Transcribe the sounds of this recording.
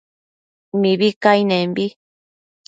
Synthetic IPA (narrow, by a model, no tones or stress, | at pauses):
mĩβikainẽmbi